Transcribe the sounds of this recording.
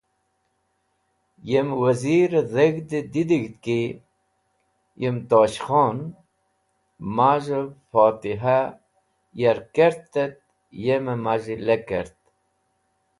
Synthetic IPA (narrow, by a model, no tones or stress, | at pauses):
jemwəziɾzeɡd̪id̪id̪iɡt̪ki | jemt̪oːɕχoːn | maːʒefoːt̪iɦa | jeɾkeɾt̪ːet̪̚ | jememaʒilekeɾt̪